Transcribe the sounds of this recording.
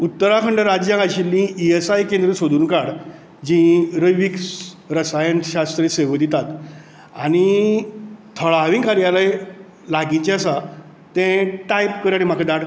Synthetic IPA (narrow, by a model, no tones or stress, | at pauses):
ut̪ːəɾakʰəɳɖəɾad͡ʑjãɡaɕilːĩiesajkend̪ɾəsod̪ʱuːnkaɽ | d͡ʑĩɾəjʋiks | ɾəsajənɕast̪ɾeseʋəd̪ʱit̪at̪ | a̰ɽ̃i | t̪ʰəɭaʋĩŋkaɾjalaj | laɡĩt͡ɕeasa | t̪ɛ̃ʈajpkəɾaɽĩm̤akʰəd̪aʈ